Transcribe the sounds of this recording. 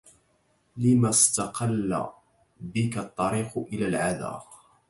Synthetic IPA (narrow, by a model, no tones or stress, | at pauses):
lɪmast̪ɑqɑlːa̰ | bɪkat̪ˤːɑɾiːqʊʔɪlaːlʕaða̰ːq